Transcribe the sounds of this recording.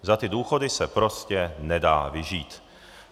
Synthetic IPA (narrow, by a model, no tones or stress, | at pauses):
zat̪ɪduːxo̞dɪsɛpɾo̞scɛnɛdaːvɪʒiːt̪